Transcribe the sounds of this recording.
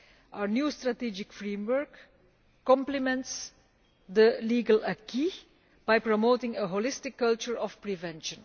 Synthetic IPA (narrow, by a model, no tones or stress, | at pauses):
ʔaʊənjuːstɹatid͡ʒɪkfɹẽmwəɹkː | ɔ̃mplimɛ̃nts | d̪əliːɡələkʰi | b̥aɪpɹɔmoːtɪ̃ŋəɦolɪstɪkːʌlt͡ʃəɹɔfpɹivɛ̃nʃə̃n